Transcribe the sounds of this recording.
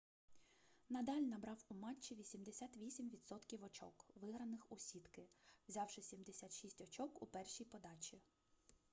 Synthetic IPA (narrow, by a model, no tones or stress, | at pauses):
nɐd̪ɑlʲnɐbɾɑwumɑt͡ʃːiʋʲisʲimd̪esʲat̪ʋʲisʲimʋʲid̪sɔt̪kʲiwɔt͡ʃɔ̰kʋɪɦɾɐnɪxusʲit̪kɪwzʲɑwʃɪsʲimd̪esʲat̪ʃisʲtʲɔt͡ʃɔkupɛrʃijpɔd̪ɑt͡ʃʲi